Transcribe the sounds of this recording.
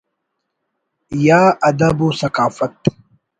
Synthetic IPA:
jaːʔɐd̪ɐbusɐqaːfɐt̪

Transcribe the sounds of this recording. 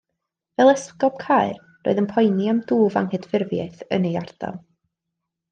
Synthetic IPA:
vɛlˠɛskɔb̥̚kʰaɨr | ro̰ɨðənpʰɔjnjamduːva̰ŋhɨdfɪrvja̰jθə̰niard̥a̰lˠ

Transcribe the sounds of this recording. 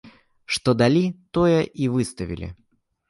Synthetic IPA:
ʂt̪od̪ɐlʲit̪ojəʔivɨst̪əvʲɪ̰lʲɪ̰

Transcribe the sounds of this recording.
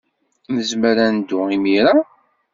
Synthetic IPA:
nəzməɾænd̪ʊimiɾa

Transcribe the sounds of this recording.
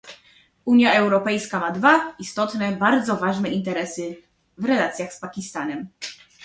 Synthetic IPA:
uɲjaɛwɾɔpɛjskamad̪vaist̪ɔt̪nɛbaɾd̪zɔvaʐnɛʔint̪ɛɾɛsɘ | vɾɛlat̪sʲjaxspakʲist̪anɛm

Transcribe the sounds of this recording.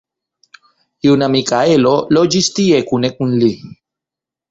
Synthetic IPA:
iuwnamikaelolod͡ʒist̪iekunekunli

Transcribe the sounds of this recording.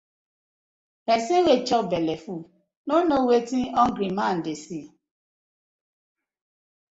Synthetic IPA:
bɛsĩwet͡ʃɔbɛlɛfu | nonowetiɔŋ̩ɡɾimãn̩desi

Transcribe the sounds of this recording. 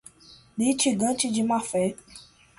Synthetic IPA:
dit͡ʃiɡãt͡ʃid͡ʒimafɛ

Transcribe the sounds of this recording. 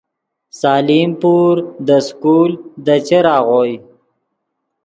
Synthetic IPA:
saːlimpuɾd̪əskuːld̪ət͡ʃeɾɑːɣoj

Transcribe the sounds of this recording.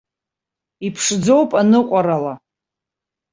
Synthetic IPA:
ipʰʂd͡zo̞wpʼanɨqʷʼaɾala

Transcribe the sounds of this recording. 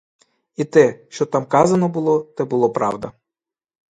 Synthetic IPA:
it̪ɛʃt͡ʃɔt̪ɑmkɑzɐnɔbʊlˠɔt̪ɛbʊlˠɔpɾɑ̰wd̪ɐ

